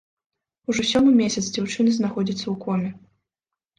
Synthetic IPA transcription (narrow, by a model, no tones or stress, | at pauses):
uʐɔsʲɔmɨmʲesʲɐt̪sd͡zʲawt͡ʂɨnɨznaxɔd͡zʲit̪sːɐwkɔmʲɛ